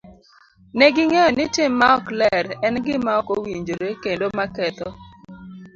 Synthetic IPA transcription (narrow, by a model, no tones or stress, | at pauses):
nɛɡɪŋejɔnɪtɪmːaɔklɛɾɛnɡɪmaɔkowiɲd͡ʒɾekendomakɛt̪ɔ